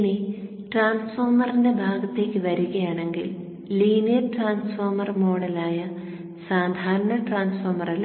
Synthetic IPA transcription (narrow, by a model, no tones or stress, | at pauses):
ni | ʈraːnsfoːrmɐrinde̞bʱaːɡɐt̪ːe̞ːkʲːɨʋɐɾuɣɐjaːɳe̞ŋɡḭl | liːnijɐrʈraːnsfoːrmɐrmo̞ːɽɐlaːjɐ | saːd̪ʱaːɾɐɳɐʈraːnsfoːrmɐrɐl